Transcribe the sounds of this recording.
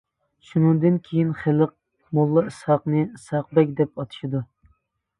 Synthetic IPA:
ʃunɨŋd̪ɨnkʲʰejinχɪləq̚ | molˠːɨɨsɑqnɨsɑq̚bɛk̚ʲd̪ɛp̚ɑt̪ʰɨ̥ʃid̪u

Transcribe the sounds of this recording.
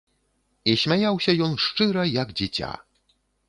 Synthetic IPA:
iɕmʲejawɕɛjɔnʂt͡ʂɘɾɛjaɡd͡ʑet͡ɕa̰

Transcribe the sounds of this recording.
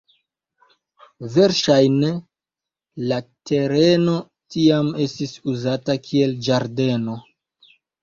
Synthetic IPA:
ve̞ɾʃajne | late̞ɾe̞no̞ | tiame̞stisuzatakʰie̞ld͡ʒaɾde̞no̞

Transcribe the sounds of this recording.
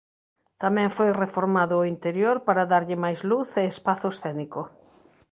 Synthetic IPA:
t̪amɛ̃ŋfojrefoɾmaðʊːint̪eɾjoɾpaɾaðaɾʎɪmajzluθeːspaθʊesθɛniko

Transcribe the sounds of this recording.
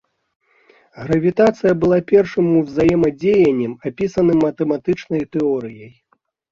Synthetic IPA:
ɣɾɐvʲit̪at̪sɨjɐbɨlˠapʲɛrʂɨmuwzajɛmɐd͡zʲejɐnʲːɛmapʲisɐnɨmːɐt̪ɛmat̪ɨt͡ʂnɐjt̪ɛɔɾɨjɐj

